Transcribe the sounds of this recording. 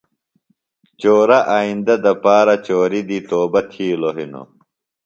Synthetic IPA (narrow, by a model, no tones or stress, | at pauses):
t͡ɕoːɾɐʔaːind̪ɐd̪ɐpaːɾɐt͡ɕoːɾid̪it̪oːbɐt̪ʰiːloɦino̰